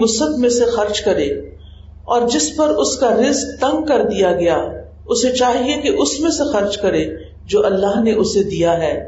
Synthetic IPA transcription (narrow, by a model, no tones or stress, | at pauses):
ʊsət̪mẽsexɐɾd͡ʒkɐɾeː | ɔːɾd͡ʒɪspɐɾʊskaɾɪzk̚t̪ɐ̃ŋɡ̚kɐɾd̪ijaɡɐja | ʊset͡ʃaːɦiekeʔʊsmẽsexɐɾd͡ʒkɐɾe | d͡ʒoːʔɐlːaːɦneʔʊsed̪ijaɦɛː